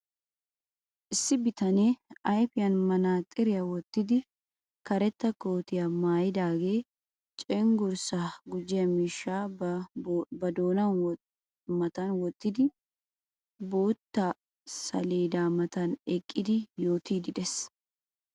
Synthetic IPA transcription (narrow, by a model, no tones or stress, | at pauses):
ʔɪsːɪbɪt̪ɐneːʔɐjfɪjɐnmɐnaːt̪ʼɪɾɪjɐwɔt̪ːɪd̪ɪ | kɐɾɛt̪ːɐko̞ːt̪ɪjɐmaːjɪd̪aːɡeː | t͡ʃʼɛŋɡʊɾsaɡʊd͡ʒːɪjɐmiːʃːaː | bɐd̪o̞ːnɐn | mɐt̪ɐnwɔt̪ːɪd̪ɪ | bo̞ːt̪ːa | sɐ̰leːd̪aːmɐt̪ɐnɛkʼːɪd̪ɪjo̞ːt̪iːd̪ɪd̪ɛs